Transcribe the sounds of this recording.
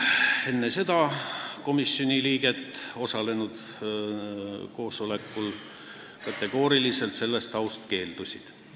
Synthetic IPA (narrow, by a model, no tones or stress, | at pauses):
e̞nːe̞se̞d̪̥ɑko̞misːjo̞nʲiliːɡ̥e̞t̪ːˑo̞sɑle̞nud̪ | ko̞ːso̞le̞kːˑul | kɑt̪ːˑe̞ɡ̥o̞ːɾilise̞lt̪se̞lːe̞st̪ɑwst̪ke̞ːld̪̥usʲid̪̥